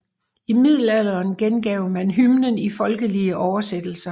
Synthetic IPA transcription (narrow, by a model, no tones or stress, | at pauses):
imið̞̰ˠl̩æl̰ˠɐnɡ̥enɡ̥ɛʊmænɦymnənifɒ̽lɡ̥əliəʔɒʊɐsed̥l̩sɐ